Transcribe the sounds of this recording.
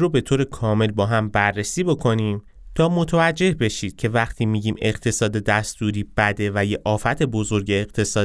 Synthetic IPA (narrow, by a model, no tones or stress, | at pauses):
ɾobe̞t̪ʰoːɾe̞kʰɒːme̞lbɒːɦæmbærːesiːbo̞kʰo̞niːm | t̪ʰɒːmo̞t̪ʰevæd͡ʒːe̞hbe̞ʃiːd̪̥cʰe̞væχt̪ʰiːmiːɟiːme̞ɢt̪ʰe̞sɒːd̪e̞d̪æst̪uːɾiːb̥æd̪e̞væjeʔɒːfæt̪ʰe̞bo̞zo̞ɾɟe̞ːqt̪ʰe̞sɒː